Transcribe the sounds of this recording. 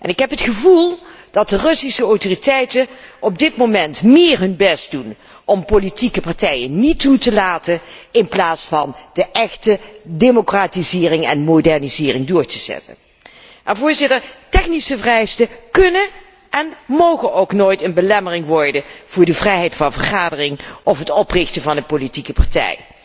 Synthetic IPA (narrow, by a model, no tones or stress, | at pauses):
ʔɛ̰nɪkɦɛpɦətχəvulˠ | d̥ɑt̚dərɵsisəɔwtoritɛjtənɔb̚dɪtmowmɛntmɪːɹɦɵnbɛst̚dun | ʔɔmpolitikəpɑɹtɛjənnitutəlaːtənɪnplaːtsfɑnd̥əʔɛχtədemokraːtizɪːrɪŋɛ̰nmodɛɹnizɪːrɪŋdʊːɹtəz̥ɛ̰tə̰n | ɛnvʊːɹzɪtəɹtɛχnisəvrɛjstəkɵnən | ʔɛnmowχənowknoːjtənbəlɛmərɪŋʋɔɹdəv̥ʊːɹdəvrɛjɦɛjtfɑnvəɹχaːdərɪŋʔɔfɦətɔprɪχtəvɑndəpolitikəpaɹtɛ̰j